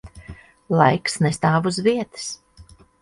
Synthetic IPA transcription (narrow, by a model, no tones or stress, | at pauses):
lˠajksnest̪aːvuzviɛt̪ɨ̥s